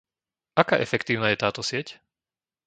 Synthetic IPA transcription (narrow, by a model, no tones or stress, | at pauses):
ʔakaːʔɛfɛkt̪iːʊnaːjɛt̪aːt̪ɔsɪɛc